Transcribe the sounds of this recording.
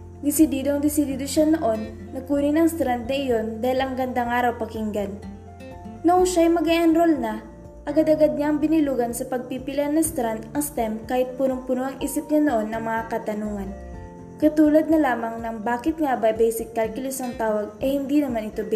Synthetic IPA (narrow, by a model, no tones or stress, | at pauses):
d̪ɪsɪd̪iːd̪oɐŋd̪ɪsɪd̪iːd̪o̞ʃano̞ʔo̞nːɐkuːnɪnɐŋst̪ɾand̪̚nɐʔɪjo̞nd̪aːhɪlʔɐŋɡɐnd̪aŋʔaːɾɐwpɐkiŋɡɐn | nɐʔuʃajmɐɡɐʔɐnɾolnɐ | ʔɐɡad̪ɐɡad̪̚ɲaʔɐŋbɪnɪluːɡɐnsɐpɐɡ̚pipɪlɐnɐŋst̪ɾand̪ɐŋst̪ɛmkaːhɪt̪̚punoŋpʊnoʔɐŋʔiːsɪp̚ɲanoʔo̞nːɐŋmɐŋakɐt̪ɐnuːŋɐn | kɐt̪uːlɐd̪̚nɐlaːmɐŋnɐŋbaːkɪt̪̚ŋabɐjbɛjsɪkːalkʊlɪsɐŋt̪aːwɐɡ̚ʔɐjhɪnd̪inɐmanɪt̪o̞b